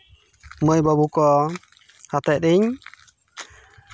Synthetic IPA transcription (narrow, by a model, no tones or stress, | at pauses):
məjbəbukɔ | hat̪ɛʔ̚ɾiɲ